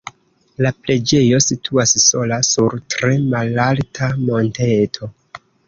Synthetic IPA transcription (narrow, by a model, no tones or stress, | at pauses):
laple̞d͡ʒe̞jo̞sitʰuasːo̞lasuɾtɾe̞malaltʰamo̞nte̞tʰo̞